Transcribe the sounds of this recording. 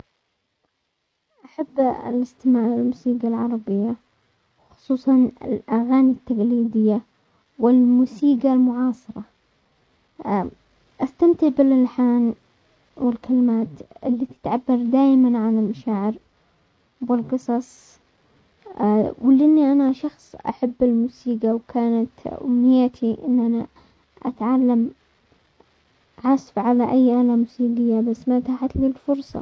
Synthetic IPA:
ʔaħabːɪ̰lɪst̪ɪmaːʕɪlmusiːɡalʕɑɾˤɑbɪjːa | wxʊ̥sˤuːsˤɑnɪ̰lʔaɣaːnit̪ːaɡliːd̪ɪjːa | wɪlmusiːɡalmʊʕɑːsˤɨɾˤɑ | ʔast̪amt̪ɪʕbɪlalħaːn | wɪlkalɪmaːt̪ʔɪlːit̪ɪ̥t̪ʕabːɑɾˤd̪aːjmanʕanɪlmaʃaːʕɪɾ | wɪlqɨsˤɑsˤ | wɪlʔɪnːiʔanaʃɑxsˤʔa̰ħabːɪlmuːsiːɡawkʰaːnat̪ʔʊ̰mːɪjat̪ʰiʔɪ̰nːʔana | ʔat̪ʕalːam | ʕasbʕalaʔajːʔaːlamʊsiːɡɪjːabasːmat̪aːħat̪lilfʊɾsˤɑ̰

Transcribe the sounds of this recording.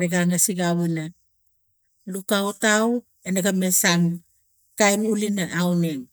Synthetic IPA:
ɾeɡaŋasiɡaβena | lukawtaw | enaɡamesaŋ | kajmulinaʔawneŋ

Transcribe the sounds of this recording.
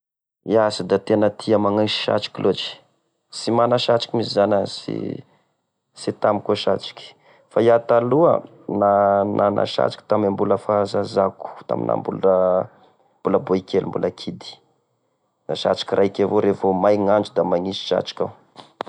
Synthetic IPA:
iazid̪at̪enət̪ʰiəmaŋasi̥ʃa̰ʈ͡ʂi̥kʲilʔot͡ʃi̥ | simanaʃat͡ʃi̥kʲimisizanasḭ | sit̪amikoʃat͡ʃi̥kʲi̥ | fajat̪aluə̰ | nanʔanʔa̰ʃa̰t͡ʃi̥kʲi̥t̪amambuləfazazaku̥t̪a̰mḭna̰mbṵl | mb̥uləboikʰelimbuləkʰid̪i̥ | naʃa̰t͡ʃi̥kʲirakʲavoɾevomajŋand͡ʒud̪amaŋisi̥ʃa̰t͡ʃi̥kʲa̰

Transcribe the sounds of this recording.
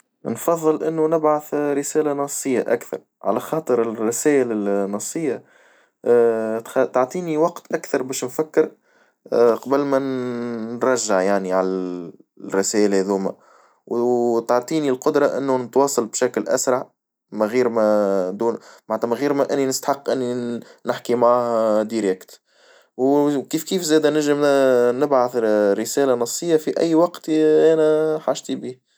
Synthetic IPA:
nfɑðˤːɨlʔɪnːunɪbʕaθɾɪsæːlanɑsˤːəjːaʔa̰kθɑ̰ɾˤ | ʕa̰læxɑːt̪ˤəɾɪrːɪsæːʔɪlɪnːɑsˤːəjːa | t̪t̪ɑʕt̪ˤiːniwɑqt̪ʔækθɑɾˤbɛːʃnfækːɪɾ | qɑbəlmænː | ɾˤɑʒːaʕjaʕniʕalæ | ɾːɪsæːʔɪlhæðuːmæ̰ | wt̪ɑʕt̪ˤiːnilqʊd̪ɾˤɑʔɪnːunət̪wɑːsˤɑlbʃæklʔæ̰sɾˤɑʕ | mæɣiːɾmæd̪uːnmaʕnæt̪ːæmæɣiːɾmæʔɪnːinəst̪ḁħɑqːʔɪnːinɪħkimaʕahd̪iɾɛkt̪ | wkiːfkiːfzɛːd̪ænɪʒəmnɪbʕaθɾəsɛːlænɑsˤːəjːafiʔæjːwɑqt̪ʔæːnæħaːʒt̪ibiːh

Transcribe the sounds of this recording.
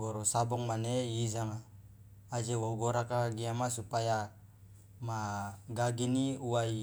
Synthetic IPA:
ɡoɾosabɔŋmaneizaŋaː | d͡ʒewoɡoɾakaɡiamasupaja | maɡaɡiniuwai

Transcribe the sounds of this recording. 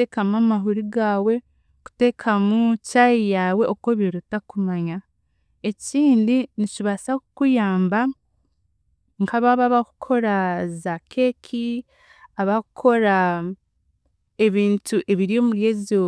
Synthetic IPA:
ekamamaɦuɾiɡaːwe̞ | ku̥te̞kʰamucajijaːwe̞ʔo̞ko̞βiɾutakumaɲa | e̞ciːndinit͡ʃiβasakukujaːmba | ŋkʰaβaβaβakukʰo̞ɾazakʰe̞kʰi | aβakukʰo̞ɾa | e̞βiːntuʔe̞βiɾijo̞muɾjezo

